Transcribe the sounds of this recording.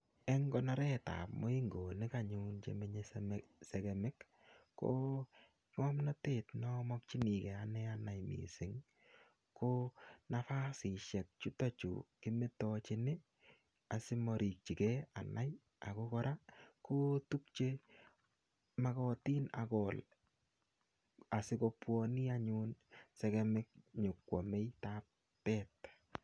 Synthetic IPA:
ɛ˦ŋɡɔ˦na˦ɾɛ˦ta̰˨pmo˦i˦ŋɡo˨nɪ˦ka˨ɲu˦nt͡ʃḛ˨me˦ɲe˦smse˨ke˨mɪ˦kː | o̰ | ŋɔ˦mna˦te˨tnɔ˦mɔ˦k̚t͡ʃi˦ni˨kɛ˨anɛa˦na˨jmḭ˨sɪ˨ŋ | ko˦na˦fa˦si˨ʃɛ˨k̚t͡ʃu˦ta˦t͡ʃṵ˨kɪ˦me˦tɔ˦t͡ʃɪ˦nɪ˦ | a˨sɪ˦mɔ˨ɾi˨k̚t͡ʃi˨kɛ˦a̰˨na˦j | a̰˨ko˦kɔ˦ɾa˦ko˦tu˦k̚t͡ʃe˦ | ma˦kɔ˦ti˦na̰˨kɔ˨l | a˨sɪ˦ko˦pwɔni˦a˦ɲu˦nsɛ˦kɛ˦mɪ˦k̚ɲʊ˨kwɔ˨me˦jtap | pɛt̚

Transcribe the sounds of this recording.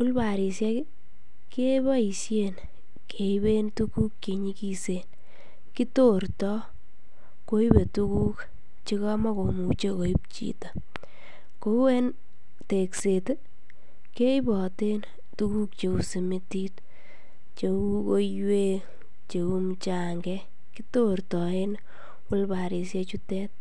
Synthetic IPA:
ʊ˦lba˨ɾi˨sjɛ˦k | ke˦ba˦i˨sje˨n | kʰe˨ibe˦ntuku˦kke˨ɲi˦kise˨n | ki˦to˦rtɔ˦ | ko˦i˦be˨tu˦ku˦k | t͡ʃi˦kɔ˦ma˦ko˨mu˨t͡ʃe˦ko˨i˦p̚t͡ʃḭta˨ | ko˦ɛ˦n | te˨kse˨t | ke˦ɪ˦bɔ˨te˦n | tu˦ku˦k̚t͡ʃe˨ku˨si˨mi˦ti˦t | t͡ʃe˨u˦ko˦jwe˦ | t͡ʃe˨u˦mt͡ʃa˦ŋɡɛ˦ | ki˦to˦rtɔ˨e˦n | ʊ˦lba˨ɾi˨s̬je˧t͡ʃu˦tɛ˦t̚

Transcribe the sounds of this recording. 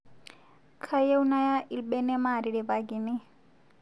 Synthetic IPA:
kʰa˦je˦u˦na˦ja˦ʔi˨lbɛ˦nɛ˦ma˨ɾi˨ɺi˨baɡi˨nɛ˦

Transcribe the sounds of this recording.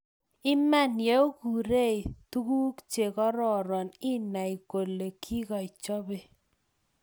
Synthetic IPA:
ɪ˦ma˦nje˨˦o˦ɡu˨ɾe˦˨tu˦ɡu˦kt͡ʃe˨kɔ˦ɾɔ˨ɾɔ˨nɪ˦na˨i˨ko˨le˨kʰi˦kɔ˨ɪ˨t͡ʃɔ˦be˨

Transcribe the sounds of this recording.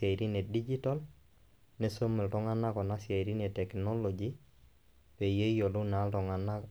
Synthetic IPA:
a˨iɾi˦ne˨di˦d͡ʒi˦ta˦l | ne˦so˦mɪ˨ltɔ˦ŋa˦na˦kɔ˨na˦sja˨iɾi˦ne˨tɛ˨knɔ˦lɔd͡ʒi˦ | pe˨je˦jo˨lʊ˦na˦ltɔ˨ŋa˨na˦

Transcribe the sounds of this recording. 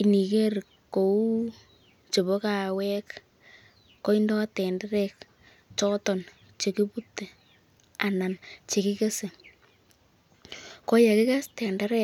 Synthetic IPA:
i˨ni˨ke˦ɾ | ko˨u˦ | t͡ʃe˨βo˦ka˨wɛ˦kː | o˦indɔ˦tɛ˨nda˦ɾɛ˨k | t͡ʃɔ˦tɔ˨n | t͡ʃe˨ki˦pu˦tːe˨ | a˨na˨nt͡ʃe˨kɪ˦ke˦se˨ | kɔ˦ja˨kɪ˦ka˦stɛ˨nda˦ɾɛ

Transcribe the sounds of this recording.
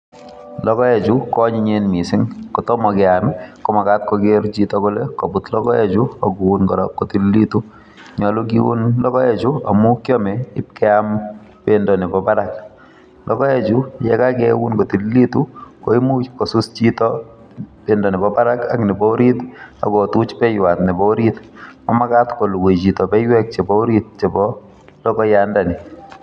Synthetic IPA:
lɔkɔ˦ɛ˨t͡ʃu˦kɔ˦ɲi˦ɲe˦nmi˨sɪ˦ŋkɔ˨tɔ˦mɔ˨kɛ˨amɪ˦kɔ˨ma˨ka˦t̚kɔɡe˦ɾt͡ʃitɔ˦kɔlɛko˨bu˨tlɔ˦kɔ˦ɛ˦d͡ʒu˦ɔ˨ɡu˨u˦nkɔ˨ɾɔkːo˨ti˦lli˦tu | ɲɔ˨lʊ˦k̬i˦wṵ˦nlɔ˦kɔ˦ɛ˦t͡ʃu˦a̰˨mu˦kjɔ˦mɛ˨ɪ˦p̚kɛ˦am | pendɔ˨nɪ˨bɔpaɾak | lʔɔ˦kɔ˦ɛ˦t͡ʃujɛ˦ka˦kɛ˦wu˦nko˨ti˨lli˦tu˦ko˦i˦mu˦t͡ʃko˨su˦st͡ʃitɔ | pendɔ˨nɪ˨bɔpa˦ɾa˦ka˨kni˨bɔ˦ɾita̰˨ko˨tu˦t͡ʃpɛ˦jwa˨tnɛ˨bɔ˦ɾitmɔ˦ma˦ka˦tko˨lu˨we˨t͡ʃi˨tɔ˨pɛ˦jwɛ˦k̚t͡ʃe˨bɔ˦ɾit̚t͡ʃe˨bɔ | lɔ˦kɔ˦janda˨ni˨

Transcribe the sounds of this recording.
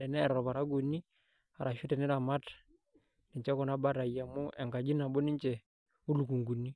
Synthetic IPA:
ɛ˨nɛː˦˨ɾɔ˨ba˨ɾa˦ɡu˨nːi˦ | a˨ɾa˨ʃu˦tɛ˨nɛ˦ɾa˨ma˦t | ni˨ɲt͡ʃɛ˦kɔ˨na˦ba˦ɾa˨ja˨mu˦ʔɛ˨ŋɡa˨d͡ʒi˦na˨bɔ˦ni˦ɲt͡ʃɛ˨ | u˦lu˨ku˨ŋɡu˨ni˦

